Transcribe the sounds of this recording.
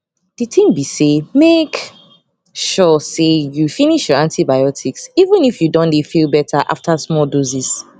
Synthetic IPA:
d̥itĩmbisemek | ʃɔsejufiniʃjɔãntʰibaɪɔtʰiksivə̃nifjudɔ̃ndefilˠbɛtʰaʔa̰ftʰasmɔldɔzis

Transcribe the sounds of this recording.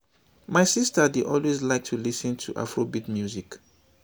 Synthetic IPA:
maɪsistədidʔɔlwezlaɪk̚tʰulisɨ̃ntʰṵʔa̰fɹobitmjuzik

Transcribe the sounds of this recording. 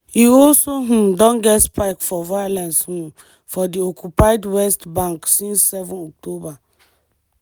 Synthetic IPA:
iɔlsoɦũdɔ̃nɡɛtspaɪkfɔvajlɛ̃nshũ | fɔdiokʰupaɪdwɛstbãŋksĩnsːɛvɔ̃nɔk̚tʰoba

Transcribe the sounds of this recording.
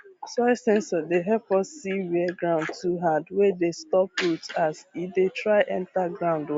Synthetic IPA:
saɪsɛ̃nsɔdeɦɛlpɔsːiwɛɛɡɹãʊ̃ndtuɦãndwɛdestɔp̚ɹutasifdetɹaɪʔɛ̃ntaɡɹãʊ̃nd

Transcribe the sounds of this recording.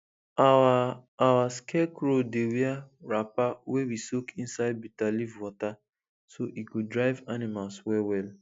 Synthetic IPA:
aawaskʰɛkɾodewiaɹapawewisokʰĩn̩saɪd̚bitalivwɔta | soʔikudɾaɪvanimalswɛwɛl

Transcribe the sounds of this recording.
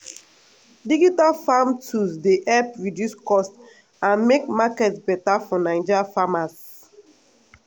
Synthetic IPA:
diɡitafamtusdeʔɛpɹidjuskɔst | ãnmekmakɛtbɛtafɔnãɪ̃nd͡ʒafamas

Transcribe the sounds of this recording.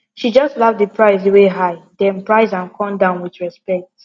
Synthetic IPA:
ʃid͡ʒʌstlavdəpʰɹaɪzeweɦaɪdɛ̃npɹaɪzãnkʰɔ̃mdãʊ̃nwiθɹɛspɛk̚t

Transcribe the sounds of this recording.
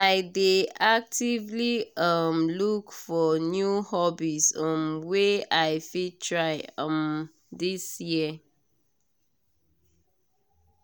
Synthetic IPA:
aɪdeak̚tivliʌmlukfɔnjuhɔbisɔ̃mweaɪfitʰɹaɪʌm | disji

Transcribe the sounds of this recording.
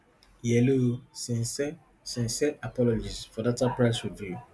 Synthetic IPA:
jɛlosĩnsɛ | sĩnsɛʔapɔlɔd͡ʒisfɔdatapɹaɪsɹivju

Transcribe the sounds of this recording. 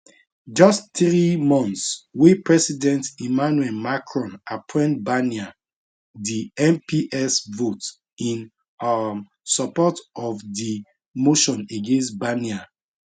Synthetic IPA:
d͡ʒɔstt̪ɹimɔ̃nθswepɹɛsidɛ̃ntimanuɛlmakʰɹɔ̃napʰɔ̃nbania | diɛ̃mpiʔɛsvot | ĩn | sɔpɔtɔfdi | moʃɔ̃neɡẽnstbania

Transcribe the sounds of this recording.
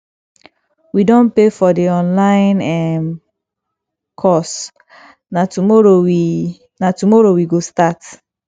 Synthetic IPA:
widõnpefɔdiɔ̃nlãɪ̃nɛm | kʰɔs | natumɔɹowi | natumɔɹowiɡostat

